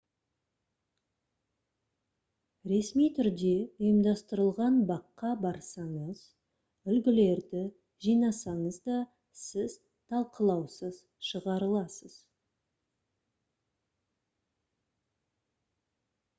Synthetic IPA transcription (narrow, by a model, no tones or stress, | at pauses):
ɾe̞smijt̪ʰʏɾd̪e̞ʊjəmd̪ɑst̪əɾəlˠʁɑnbɑqːɑbɑɾsɑɴəz̥ | ʏlɡʲɪle̞ɾd̪ɪ | ʒijnɑsɑɴəzd̪ɑ | sɪz | t̪ʰɑlˠqʰəlˠɑwsəz̥ | ʃəʁɑɾəlˠɑsəz̥